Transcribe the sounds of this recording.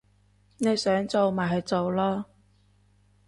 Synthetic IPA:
ne˨˧jsœː˨˥ŋt͡so˨wmaː˨˩ɦɐ˨˧jt͡so˨wlɔː˥

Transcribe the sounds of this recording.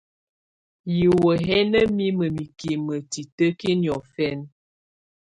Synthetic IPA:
ji˨wə˨ɦɛ˦nə˦mi˦mə˨mi˨ki˨mə˨ti˨tə˦ki˦njɔ˨fɛ˦n

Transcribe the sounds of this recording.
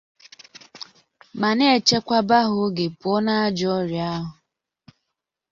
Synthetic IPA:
ma˨ne˦e˦˨t͡ʃe˦kʷa˦ba˦ɦʊ˨ɡe˨pʊ˨ɔ˦na˦a˦d͡ʒɔ˦ɾja˦ɦʊ˨

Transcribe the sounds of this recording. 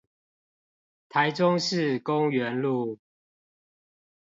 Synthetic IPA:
t̪ʰa˨˦ɪʈ͡ʂʊ˦ŋʂɻ̩˥˨kʊ˦ŋɥɛ˨˦nlu˥˨

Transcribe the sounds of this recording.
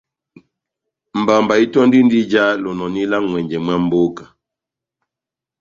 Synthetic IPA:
m̩˨ba˨m˨ba˨i˦tɔ˦n˦di˦n˦di˦d͡ʒa˦lɔ˨nɔ˨ni˦la˦ŋwɛ˨ɲd͡ʒɛ˨mwa˦m̩˦bo˦kḁ˨

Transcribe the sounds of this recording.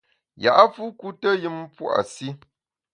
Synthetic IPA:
ja̰˨ʔa˦fu˦ku˦tə˦jɨ˦mpwʔa̰˨si˦

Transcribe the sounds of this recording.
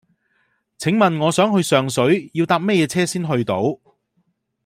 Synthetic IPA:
t͡sʰɪ˨˥ŋmɐ˨nŋɔː˨˧sœː˨˥ŋɦɵ˧ɥsœː˨ŋsɵ˨˥ɥjiː˧wt̪aː˧p̚mɛ˥jɛː˨˧t͡sʰɛː˥siː˥nɦɵ˧ɥt̪o˨˥w

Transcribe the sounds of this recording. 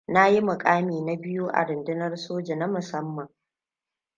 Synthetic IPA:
na˦ji˦mʊ˨kʼaː˦miː˨na˦bɪ˦ju˦ʔa̰˨ɾɪ˨ndɪ˦nɐ˦rsoː˦d͡ʒe˨na˦mʊ˨sɐ˦mːɐ˨ŋ

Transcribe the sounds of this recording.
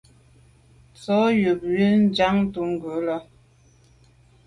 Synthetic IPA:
t͡sɔ˨˦ju˨p̚jə˦n̩˦d͡ʒa˦ŋ˦tu˨˦ŋ̩˨ɡə˨˦lɔ˦

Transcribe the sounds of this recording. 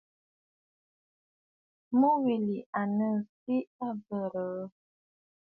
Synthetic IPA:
mu˦wi˨li˨ʔa˨nə˦˨si˦a˦bə˨ɾə˨˦

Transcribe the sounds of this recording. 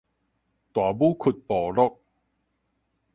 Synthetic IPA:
t̪waː˨˩buː˦˥kʰu˨˩t̪̚pɔː˨˩lɔ˥k̚

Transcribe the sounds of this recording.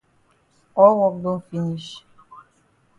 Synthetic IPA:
ɔ˦wɔ˨k̚ɡ͡bo˦fi˦ni˦ʃ

